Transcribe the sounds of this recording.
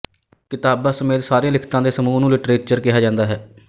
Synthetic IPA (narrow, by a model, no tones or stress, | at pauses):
kɪt̪aːbãːsəmeːt̪saːɾiãːlɪkʰt̪ãːd̪eːsəmuːnũːlɪʈɾeːt͡ʃəɾkɪɦaːd͡ʒãːnd̪aːɦɛː